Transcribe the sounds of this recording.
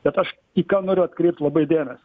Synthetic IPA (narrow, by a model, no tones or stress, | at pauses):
b̥ʲɛt̪ɐʃ | iːkɑːnoːɾʲʊɐt̪kɾʲɛɪp̚t̪lˠɐbɐɪd̪ʲeːnɐs